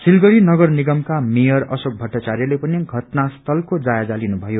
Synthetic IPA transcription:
silɡʌɾinʌɡʌrniɡʌmkamejʌrʌ̰sok̚bʱʌʈːat͡saɾjʌlepʌniɡʱʌʈnast̪ʰʌlkod͡zajad͡zalinubʱʌjo

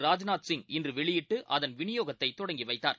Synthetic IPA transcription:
ɾaːd͡ʒnaːt̪sɪŋɡɪndrɯʋɛɭɪjɪʈːɯʔɐðɐnʋɪnɪjoːɣɐt̪ːɐɪt̪ːɔɽɐŋɡiʋɐɪt̪ːaːɾ

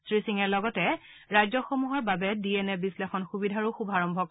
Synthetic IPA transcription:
sɹisiŋɛɹlɔɡɔtɛ | ɹajzɔxomuɦɔɹbabɛdiɛnɛbislexɔnxubidʱaɹʊxubʱaɹɔmbʱɔk

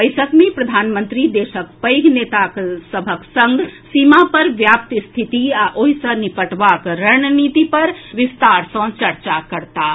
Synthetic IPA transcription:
bəɪjsəkmepɾəd̪ʱanmənt̪ɾid̪esəkpəjɡʱnet̪aksəbʱəksə̃ŋɡsimapəɾʋjap̚t̪st̪ʰit̪iaʔoɦisə̃nipəʈbakɾənnit̪ipəɾʋist̪aɾsə̃t͡ʃəɾt͡ʃakəɾt̪a

